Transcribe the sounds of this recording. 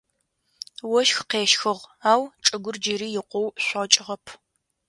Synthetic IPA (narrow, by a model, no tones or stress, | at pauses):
wɔʃxqeːʃxɨʁaːwʈ͡ʂʼɨɡʷʊrd͡ʒɪɾiːjɪqʷɔwɕʷɐt͡ʃʼɪʁɐpʰ